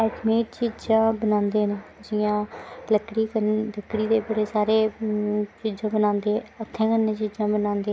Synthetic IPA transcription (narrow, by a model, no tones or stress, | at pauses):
ɛːʈmeːʈ̚t͡ʃiːd͡ʒãːbənãːnd̪eːneːd͡ʒɪjãːləkɽiːkələkːɽiːd̪eːbəɽeːsaːɾeː | t͡ʃiːd͡ʒãːbənãːnd̪eːət̪ʰːɛ̃ːkənːẽːt͡ʃiːd͡ʒãːbənãːnd̪eː